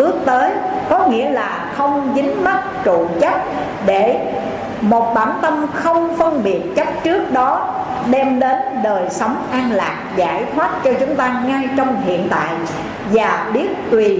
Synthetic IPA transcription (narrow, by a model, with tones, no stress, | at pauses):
ʔɨ˦˥ək̚t̪əː˨˦jkɔ˨˦ŋḭ˧˥əlaː˨˩xə˧wŋ͡mzï˨˦ŋ̟ma˦˥t̚t͡ɕṵ˧˨t͡ɕə˦˥p̚ | ɗe˧˩ | mo˨˩t̚ɓaː˧˩nt̪ə˧mxə˧wŋ͡mfə˧nɓi˨˩ət̚t͡ɕə˦˥p̚t͡ɕɨ˦˥ək̚ɗɔ˨˦ | ɗɛ˧mɗe˨˦nɗəː˨˩jsə˨˦wŋ͡mʔaː˧nla̰ː˨˩k̚za̰ː˧˩jt̪ʰwaː˦˥t̚t͡ɕɔ˧t͡ɕʊ˨˦ŋ͡mt̪aː˧ŋaː˧jt͡ɕɔ˧wŋ͡mhḭ˧˨ənt̪a̰ː˧˨j | vaː˨˩ɓi˦˥ət̚t̪wi˨˩